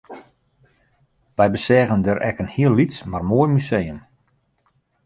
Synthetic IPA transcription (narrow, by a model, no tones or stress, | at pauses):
ʋɛjbəsɛːɣəndəɾɛ̰kənhiəlːitsmarmoːjmysejəm